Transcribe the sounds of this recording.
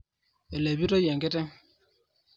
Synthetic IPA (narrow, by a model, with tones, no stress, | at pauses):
e˨le˨bi˦tɔ˦jɛ˨ŋɡe˦tɛ˦ŋ